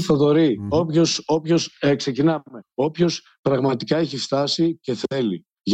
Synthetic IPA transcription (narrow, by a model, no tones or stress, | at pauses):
θɐðo̞ɾio̞pçosopço̞sekse̞cinɐme̞o̞pço̞s | pɾɐɣmɐt̪ikɐeçift̪ɐsice̞θe̞li | ʝ